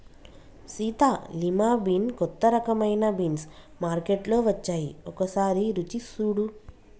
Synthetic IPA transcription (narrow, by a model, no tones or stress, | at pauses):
siːt̪aːlimaːbinkɔt̪ːɐɾɐkɐmɐjnɐbins | maːɾkeʈlo̞ːʋɐt͡ʃːaːjiɔkɐsaːɾiɾut͡ʃisuːɽu